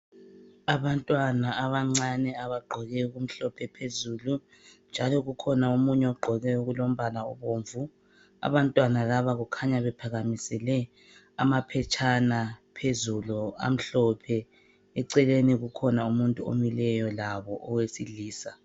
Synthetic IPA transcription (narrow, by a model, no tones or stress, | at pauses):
aβantʼwanaːβaŋ͡ǀanɛaβaɡ͡ǃʱɔɣɛɣum̩ɬɔpʰɛpʰezuːlu | nd͡ʒʱalɔɣukʰɔnaomuɲɛɔɡ͡ǃʱɔɣɛuɣulom̩βalaɔ̰βoːɱvu | a̰βantʼwanalaβaɣukʰaɲaβɛpʰaɣamisɛlɛ | amapʰɛt͡ʃʼʰanapʰezulua̰m̩ɬɔpʰɛ | ɛǀɛleniɣukʰɔnaumuntʼuo̰milɛjɔlaβɔʔɔwesiliːsa